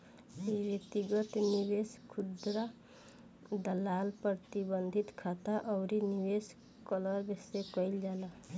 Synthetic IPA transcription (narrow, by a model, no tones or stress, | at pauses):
ibet̪iɡət̪niweskʰud̪ɾa | d̪əlalpɾət̪ibənd̪ʱit̪kʰat̪aʔəʊɾiniwes | kələɾbesekəild͡ʒalə